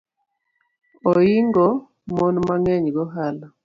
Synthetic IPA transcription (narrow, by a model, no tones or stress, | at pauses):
ɔiŋɡɔ | monmaŋɛɲɡɔɦala